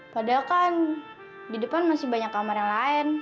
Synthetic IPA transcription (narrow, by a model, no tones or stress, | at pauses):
padakan | didəpanmasɪbaɲakːamaɾaŋlaɪn